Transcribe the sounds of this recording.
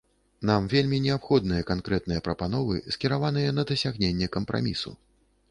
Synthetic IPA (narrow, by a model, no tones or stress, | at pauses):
namvʲelʲmʲinʲɛapxɔd̪̚nɨjɐkankɾɛt̪̚nɨjɐpɾɐpanɔvɨ̰skʲiɾavanɨjɐnɐd̪ɐsʲaɣnʲenʲːɛkɐmpɾʔa̰mʲisṵ